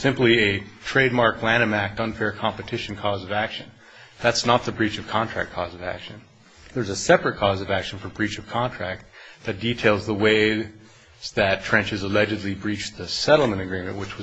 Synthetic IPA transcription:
sɪ̃mpliɨtʰɹ̥eɪd̚mɑɹklæ̃ɾ̃ɨ̃mæk̚tʌ̃nfɛɹkʰɑ̃mpɨtʰɪʃn̩kʰɔzʌvækʃɨ̃n | ðætsnət̪̚ðəbɹit͡ʃʌv̥kʰɑ̃ntʰɹ̥æ̰k̚kʰɔzʌvæ̰kʃɨ̃n̩ | ðə˞zɨsɛpɹɨt̚kʰɔzʌvækʃn̩fə˞bɹit͡ʃʌv̥kʰɑ̃ntʰɹ̥æk̚t̪̚ðɨt̚d̥itʰeɪlˠzðəweɪ | zðɨtʰɹ̥ɛ̃nt͡ʃɨzəlɛd͡ʒɨdˡlibɹit͡ʃðɨsɛɾl̩ˠmɨ̃ɾ̃ɨɡɹĩmɨ̃nʔwɨt͡ʃwʌ

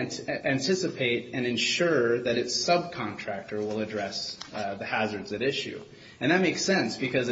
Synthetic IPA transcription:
ntæ̃ntʰɪsɨpʰeɪɾɨ̃nɨ̃nʃʊɹðɨɾɨtsʌb̚kʰɑ̃ntʰɹ̥æk̚tʰə˞wɪlˠədɹɛsðɨhæzə˞dzɨɾɪʃʉ̰ | ɨ̃nðɨt̚meɪksɛ̃nsb̥ɨkʰʌz

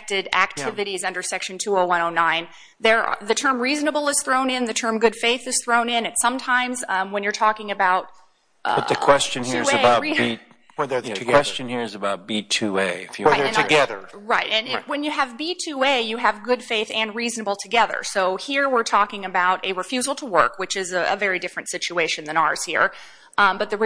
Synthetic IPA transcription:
k̚tɪɾæ̰k̚tʰɪvɨɾizʌ̃ndə˞sɛkʃɨ̃n̩tʰuoʊwʌ̃ñoʊnãɪ̃n | ðə̰˞ðɨtʰɜ̃˞mɹiznəbl̩ˠəz̥θɹõʊ̃nɪ̃nðɨtʰɜ̃˞mɡʊd̥feɪθɨz̥θɹõʊ̃nɪ̃nɨ̃nsʌ̃mtʰãɪ̃mzwə̃njə˞tʰɔkɪ̃ŋɨbaʊt̚ | ʔʌtðɨkʰw̥ɛst͡ʃɨ̃nhiɨbaʊɹii | wɛðə˞kʰwɛst͡ʃɨ̃nhiɹɨzɨbaʊt̚b̥itʰʉeɪɨfjɨðə˞ɨ̃nɨɡɛðə̰˞ɹaɪt̚ɨ̃nɪwɨ̃njɨːvbitʰʉeɪjɨɨvɡʊd̥feɪθɨ̃nɹiznəbl̩ˠtʰɨɡɛðə̰˞soʊhiɹwɪɹtʰɔkɪ̃ŋɨbaʊɾɨɹɨfjʉzl̩ˠtʰəwɜ̰˞kwɨt͡ʃɨzɨə̰vɛɹidɪfɹɨ̃ntsɪt͡ʃueɪʃɨ̃nðɨ̃ñə̰˞z̥hḭɹ | bʌt̪̚ðɨ

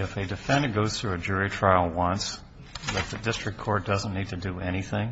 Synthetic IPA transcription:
ɨfɨdɨfɛ̃ndɡoʊz̥θɹʉɨd͡ʒʊɹitʰɹ̥aɪl̩ˠwʌ̃ns | ðɨt̪̚ðɨdɪstɹ̥ɨk̚kʰɔɹt̚d̥ʌzə̃n̩ːid̚tʰɨdɨɛñiθɪ̃ŋ

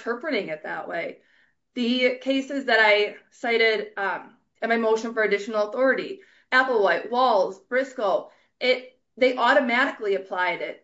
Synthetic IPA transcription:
tʰɜ˞pɹɨɾɪ̃ŋɨt̪̚ðə̰ʔweɪ | ðɨkʰeɪsɨzðɨɾaɪ | saɪɾɪɾ | ɨ̃nmaɪmoʊʃɨ̃nfə˞ɨdɪʃn̩l̩ˠəθɔɹɨɾi | æpl̩ˠwaɪʔ̚wɔlˠzb̥ɹɪskl̩ˠ | ʔɪt̪̚ | ðeɪʔɔɾɨmæɾɨkliɨpʰl̥aɪɾɪt̚

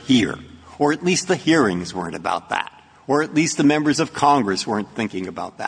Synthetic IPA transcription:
hiɹə˞ɨtˡlist̪̚ðɨhiɹɪ̃ŋzwɜ̰̃˞ɨ̃ntɨba̰ʊt̪̚ðæ̰ɾ | ə˞ɨtˡlist̪̚ðɨmɛ̃mbə˞zʌv̥kʰɑ̃ŋɡɹɨswɜ̃˞nθɪ̃ŋkɪ̃ŋɨbaʊt̪̚ðæ̰t̚

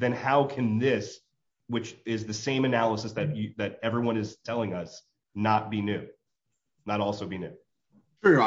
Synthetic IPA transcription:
ðɨ̃nhaʊkʰɨ̃nðɪs | wɨt͡ʃɪzðɨsẽɪ̃mɨnælˠəsɨsðɨt͡ʃðɨɾɛvɹiwʌ̃nɨz̥tʰɛlˠɪ̃ŋʌs | nət̚b̥inʉ | nəɾɔlˠsoʊbinʉ | tʰɹ̥ʉ

